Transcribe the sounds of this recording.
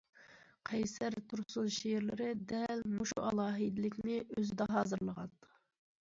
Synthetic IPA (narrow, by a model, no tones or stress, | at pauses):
qʰɛjsæɾt̪ʰuɾsuzʃejɾlɪɾɪd̪ɛlmuʃṵʔɑlˠɑːɦid̪ɪlɪkʲnɪøzɪd̪ɛɦɑːzɨɾlˠəʁɑ̰t̪